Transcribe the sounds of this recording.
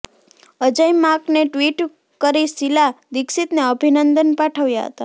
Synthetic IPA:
əd͡ʒəjmakneʈʋiʈ | kəɾisilad̪ɪksit̪neəbʱinənd̪ənpaʈʰəʋjaɦə̰t̪a

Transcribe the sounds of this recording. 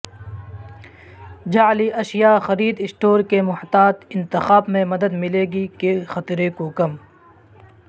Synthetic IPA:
d͡ʒaːliʔɐʃjaːxɐɾiːd̪ɪsʈoːɾkemʊht̪aːt̪ɪ̃nt̪ɪxaːbmẽmɐd̪əd̪mɪleːɡikexɐt̪ɾekokɐm

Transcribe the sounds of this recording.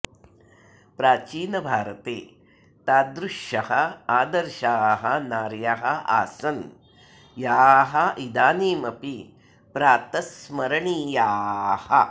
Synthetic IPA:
pɾaːt͡ʃiːnɐbʱaːɾɐt̪eː | t̪aːd̪ɾuʃjɐhɐaːd̪ɐɾʃaːɦɐnaːɾjaɦɐa̰ːsɐn | jaːɦɐʔid̪aːniːmɐpi | pɾaːt̪ɐsmɐɾɐɳijaːhɐ̰

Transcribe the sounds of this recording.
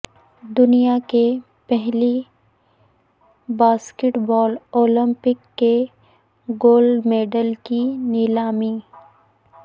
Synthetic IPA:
d̪ʊnijake | pɛɦli | baːskɪʈbɔːloːlə̃mpɪkːe | ɡoːlɖmeːɖəlkinɪlaːmi

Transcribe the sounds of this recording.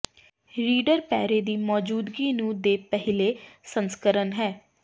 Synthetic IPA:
ɾiːɖəɾpɛ̰ːɾeːd̪iːmɔːd͡ʒuːd̪ɡiːnũːd̪eːpɛɦɪleːsənskəɾənɦɛː

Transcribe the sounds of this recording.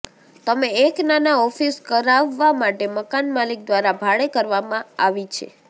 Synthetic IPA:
t̪əmeeknanaɔfiskəɾaʋːamaʈeməkanmalik̚d̪ʋaɾabʱaɭekəɾʋamãaʋit͡ʃʰḛ

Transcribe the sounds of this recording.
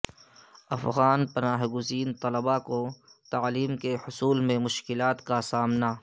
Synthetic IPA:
ɐfɣaːnpɐnaːɦɡʊziːnt̪ɐləbakot̪aːliːmkehʊsuːlmẽmʊʃkɪlaːt̪kasaːmna

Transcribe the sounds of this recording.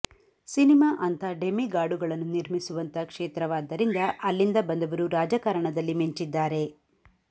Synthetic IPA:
sinimaːʔɐnt̪ʰɐɖemiɡaːɽuɡɐɭɐnːuniɾmisuʋɐnt̪ɐkʂeːt̪ɾɐʋaːd̪ːɐɾind̪ɐʔɐlːind̪ɐbɐnd̪ɐʋɐɾuɾaːd͡ʒɐkɐɾɐɳɐd̪ɐlːimiɲt͡ʃid̪ːaːɾe̞

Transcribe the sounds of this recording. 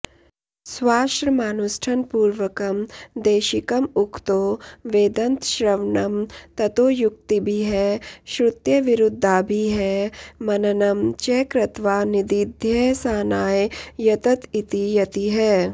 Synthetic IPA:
swaːʃɾmaːnusʈʰɐnpuːɾʋəkɐmd̪eːʃɪkɐmʊkt̪oːʋeːd̪ɐ̃nt̪ʃɾɐʋnɐmt̪ɐt̪oːjʊk̚t̪ibʱiɦɛʃɾʊt̪jɐʋɪɾʊd̪ʱːaːbʱiɦɛːmɐnɐnɐmt͡ʃeːkɾɐt̪ʋaːnɪd̪id̪ʱjɐsaːnaːjjɐt̪ɐt̪it̪ijɐt̪iɦɛː

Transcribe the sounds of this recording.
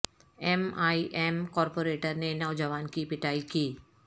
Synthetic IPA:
ɛmaːiʔɛːmkɔːɾpoːɾeːʈəɾnenɔːd͡ʒəʋaːnkipɪʈaːikiː

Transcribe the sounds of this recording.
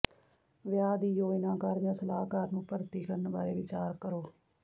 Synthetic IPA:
ʋjaːd̪iːjoːɪnãːkaːɾd͡ʒãːsəlaːkaːɾnũːpəɾt̪iːkəɾənbaːɾeːʋɪt͡ʃaːɾkəɾoː

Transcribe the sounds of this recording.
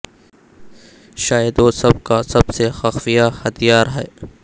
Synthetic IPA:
ʃaːjɪd̪osɐb̚kasɐbsexɐxfijahɐt̪ʰijaːɾɦɛː

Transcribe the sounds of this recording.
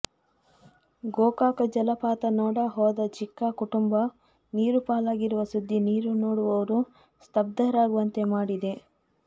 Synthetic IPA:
ɡoːkaːkɐd͡ʒɐlɐpaːt̪ɐnɔːɽɐɦɔːd̪ɐt͡ʃikːakuʈumbɐ | niːɾupaːlaːɡiɾuʋɐsud̪ʱːiniːɾunoːɽuʋɐʋɐɾu | st̪ɐb̚d̪ɐɾaːɡuʋɐnt̪e̞maːɽid̪e̞

